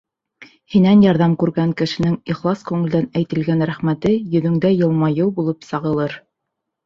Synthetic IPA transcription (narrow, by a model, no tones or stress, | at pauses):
hinænjɑɾðɑmkʉɾɡæŋkɘ̆ʃɘ̆nɘŋiχlˠɑskʉŋɘ̆ld̪ænæjt̪ɘ̆lɡænɾæχmæt̪ɘjɵ̆ðɵ̆ŋd̪æjɤ̆lˠmɑjɤwˠbulˠɤpsɑʁɤ̆lˠɤɾ